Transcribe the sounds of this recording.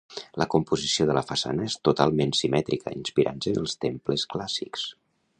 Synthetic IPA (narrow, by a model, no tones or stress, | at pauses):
ləkumpuzisioðələfəsa̰nəest̪ut̪alˠmensimɛt̪ɾikə̰inspiɾʔa̰nzənəlˠst̪empləsklasḭks